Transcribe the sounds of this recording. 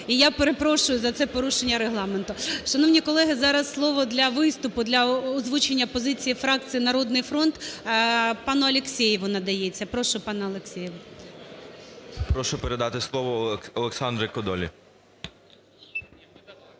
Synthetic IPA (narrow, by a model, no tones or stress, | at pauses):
ijapeɾepɾɔʃʊjʊzɐt̪sɛpɔɾuʃenʲːɐɾeɦlˠɑment̪ʊʃɐnɔwnʲikɔlˠɛɦɪzɑɾɐsːlˠɔʋɔd̪lʲɐʋɪst̪ʊpʊd̪lʲɐɔzʋut͡ʃenʲːɐpɔzɪt͡sʲijifɾɑk̚t͡sʲijinɐɾɔd̪nɪjfɾɔnt̪ | pɑnʊɐlʲeksʲɛjɪʋʊnɐd̪ɐjet͡sʲːɐpɾɔʃʊpɑnɐɐlˠeksʲɛjɪʋʊ | pɾɔʃʊpeɾed̪ɑt̪ɪslˠɔʋɔɔlˠeksɑnd̪ɾɪkɔd̪ɔlʲḭ